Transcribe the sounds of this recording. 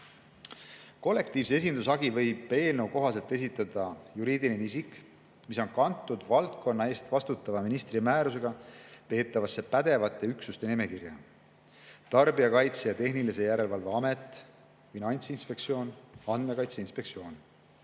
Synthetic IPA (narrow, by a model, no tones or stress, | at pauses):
ko̞lːe̞k̚t̪iːvsee̞s̬ind̪usɑɡivɤ̞jb̥e̞ːlnewko̞ɦɑse̞lt̪e̞s̬it̪ːˑɑd̪̥ɑjuɾiːd̪ilenis̬ikˑ | miso̞nkɑnt̪ːˑud̪vɑlt̪̚kʰo̞nːɑe̞ːst̪vɑst̪ut̪ːˑɑvɑminist̪rimæːɾus̬e̞ɡ̥ɑpe̞ːt̪ːˑɑvɑsːe̞pæd̪̥e̞vɑt̪ːˑe̞yksust̪e̞nime̞kirjɑ̰ | t̪ɑrbiɑkɑjt̪sejɑt̪e̞ɦnilis̬e̞jæɾe̞lvɑlve̞ɑme̞t̪ːˑ | finɑnʲt̪sinspe̞kt̪sio̞ːnɑnd̪̥me̞kɑjt̪seinspe̞k̪̚sio̞ːn